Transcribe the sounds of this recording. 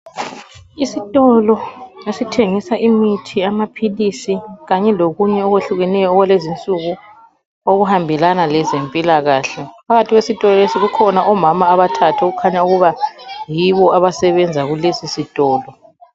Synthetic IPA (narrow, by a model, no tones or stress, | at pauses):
isitʼɔlɔesitʰeŋisaʔimitʰiamapʰilisiɣaɲɛloɣuɲɛɔɣweɬuɣɛnɛjɔɔɣwalezint͡sʼuɣu | oɣuhambʱɛlanalɛzempʼilaɣaːɬɛpʰaɣatʰiɣwesitʼɔlɔlesiɣukʰɔnaʔɔmamaβatʰatʰaoɣukʰaɲauɣuβajiβɔaβasɛβɛnd͡zʱaɣulesisitʼɔːlɔ